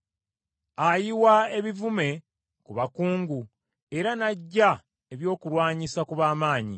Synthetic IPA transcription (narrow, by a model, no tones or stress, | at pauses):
ajiwae̞βivume̞ | kuβakuːŋɡu | e̞ɾanaɟːa | e̞βjo̞ːkuɾwaːɲisakuβaːmaːɲḭ